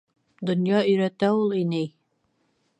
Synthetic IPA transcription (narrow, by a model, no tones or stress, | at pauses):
d̪ŏnjɑɵ̆jɾæt̪æulˠinɘj